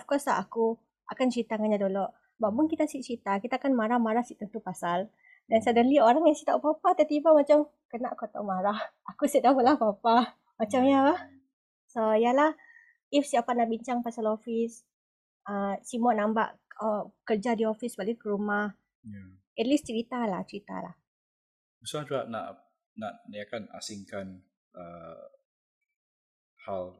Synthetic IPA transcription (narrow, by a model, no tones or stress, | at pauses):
ɔfkɔslaʔaku | ʔa̰kant͡ʃəɾit̪aŋaɲadolɔʔ | baʔbʊnkit̪asiʔt͡ʃɾit̪akit̪aːkanmaɾahmaɾahsiʔt̪ənt̪upasal | dansadəlioɾaŋjaŋsit̪aʔpapat̪ət̪ibamat͡ʃam | kənaʔkut̪ɔ̰ʔmaɾah | akusiʔdahməlahpapa | mat͡ʃamjaba | soijalah | ifsiapaʔnaʔbiɲt͡ʃaŋpasalofis | əsimɔʔnamba̰ʔəkərd͡ʒadiofisbalikəɾumah | ja | ɛt̪list͡ʃəɾit̪alaht͡ʃəɾit̪a̰la̰h | usaduaʔna̰ʔ | naʔniakana̰siŋkan | ə | hal